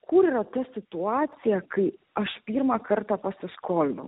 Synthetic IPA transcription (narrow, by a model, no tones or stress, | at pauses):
kʰʊɾiːɾɐt̪ɐsʲɪt̪ʊɑːt̪sʲɪjɛkɐɪɐʃpʲiːɾmɑkɐɾt̪ɑːpɐsʲɪskoːlʲnʊ̰